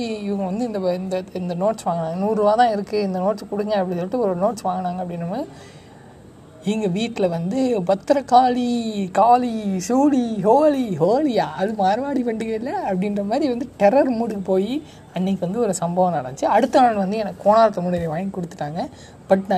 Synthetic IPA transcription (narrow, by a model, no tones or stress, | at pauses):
iɪʋɐŋɡɐʋɐnd̪ɯɪnd̪ɐɪnd̪ɐɪnd̪ɐnoːʈsʋaːŋɡɐnaːŋɡɐnuːɾɯʋaːt̪ãːɪɾɯkːɯɪnd̪ɐnoːʈt͡ʃɐkɔɽɯkːɐɡɐ̃ɐpːɐɽisɔlːɪʈːɯɔɾnoːʈsʋaːŋɡɐnaːŋɡɐpːɐɽɪnːɐmːɐ | ɪŋɡɐʋiːʈːɪlɐʋɐnd̪ɯbɐt̪ːɾɐkaːlikaːlisuːliɦoːliɦoːlijaːʔɐðɯmaːɾʋaːɽiʋɐɳɖɯɣɐlːɐɐpːɐɽɪnɾɐmaːðɾiʋɐnd̪ɯʈɛɾɐɾmuːɽɯkɯpoːji | ɐnːik̬ːɯʋɐnd̪ɯɔɾɯsɐmbɐʋɐ̃nɐɽɐɲt͡ʃɯɐɽɯt̪ːɐaːnʋɐnd̪ɯɛnɐkːkːoːnaːɾɐt̪ːɐmʊɽɪlɐʋaːjŋkːɔɽɯt̪ːɯ̥ʈːaːŋɡɐ | b̥ɐʈːnaː